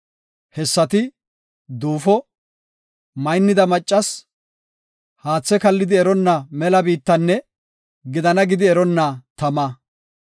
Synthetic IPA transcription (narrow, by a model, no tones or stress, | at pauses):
hɛsːɐt̪ɪ | d̪uːfɔ | mɐjnːɪd̪ɐmɐt͡ʃʼːɐs | haːt͡sːɛkɐlːɪd̪ɪɛɾɔnːɐmɛlɐbiːt̪ːɐnːɛ | ɡɪd̪ɐnɐɡɪd̪ɪɛɾɔnːɐt̪ɐmɐ